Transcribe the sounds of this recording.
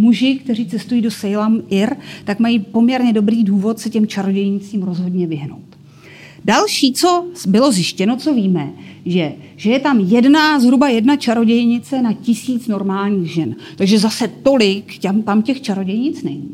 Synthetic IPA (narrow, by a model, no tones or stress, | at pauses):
muʒɪkt̪ɛriːt͡sɛst̪ujiːdo̞sɛjlamʔɪɾt̪akmajiːpo̞mɲɛɾɲɛdo̞bɾiːduːvo̞t̪sɛcɛmt͡ʃaɾo̞ɟɛjɲɪt͡siːmɾo̞zɦo̞dɲɛvɪɦno̰wt̪ | dalʃiːt͡so̞bɪlo̞zjɪʃcɛno̞t͡so̞viːmɛʒɛ | ʒ̥ɛjɛt̪amjɛdnazɦɾubajɛdnat͡ʃaɾo̞ɟɛjɲɪt͡sɛnacɪsiːt͡sno̞ɾmaːlɲiːɣʒɛn | t̪aɡʒɛzasɛt̪o̞lɪkcamt̪amcɛxt͡ʃaɾo̞ɟɛjɲɪt͡snɛɲiː